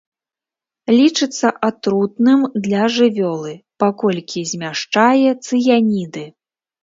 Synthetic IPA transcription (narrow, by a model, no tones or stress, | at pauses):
lʲit͡ʂɨt̪sːɐʔat̪ɾut̪nɨmd̪lʲɐʐɨvʲɔlˠɨpakɔlʲkʲizʲmʲaʂt͡ʂajɛt̪sɨjanʲid̪ɨ